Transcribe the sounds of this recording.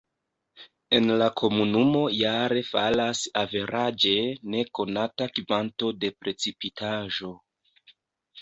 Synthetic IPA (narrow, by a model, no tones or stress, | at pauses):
e̞nlakʰo̞munumo̞jaɾe̞falasave̞ɾʔad͡ʒe̞ne̞ko̞natakivanto̞de̞pɾe̞t͡sipitʰaʒo̞